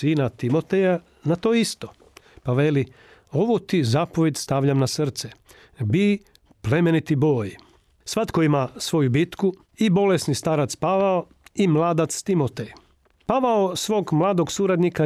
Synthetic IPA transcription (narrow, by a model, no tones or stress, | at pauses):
iːnat̪imo̞t̪eja | nat̪oːist̪o | paʋeli | o̞ʋut̪izaːpoʋʲjed̪st̪aʋʎamnasrt̪se | biː | plemenit̪ibo̞ːj | sʋat̪koimasʋo̞jubit̪ku | ibo̞lesnist̪aɾat̪spaʋao | imlˠaːd̪at̪st̪imot̪ej | paʋaosʋo̞ːɡmlˠaːd̪o̞ɡsuːɾad̪nika